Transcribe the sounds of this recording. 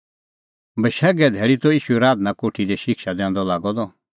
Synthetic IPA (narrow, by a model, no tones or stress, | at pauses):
bɐʃɛɡɛd̪ʱɛːɭit̪ɔiːʃuɛɾaːd̪nãkoʈʰid̪ɛʃɪkʃad̪ɛ̃ːnd̪ɔlaːɡɔd̪ɔ